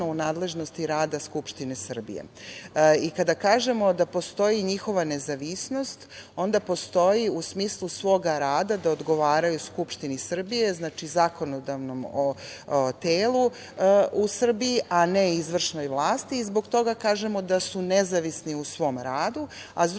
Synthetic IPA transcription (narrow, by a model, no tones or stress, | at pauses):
ounaːd̪le̞ʒno̞st̪iɾaːd̪askupʃt̪inesr̩bḭjḛ | ikad̪akaːʒe̞mo̞d̪apo̞st̪o̞jiɲixo̞ʋane̞zaʋisno̞st̪o̞nd̪apo̞st̪o̞jiusmiːslˠusʋo̞ːɡaɾaːd̪ad̪aod̪ɡo̞ʋaːɾajuskupʃt̪inisr̩bije̞znaːt͡ʃizako̞no̞d̪aʋno̞mot̪eːlˠu | usr̩biiʔaneizʋr̩ʃno̞jʋlˠaːst̪iːzbo̞ɡt̪o̞ɡakaːʒe̞mo̞d̪asunezaʋisniusʋo̞ːmɾaːd̪ua̰z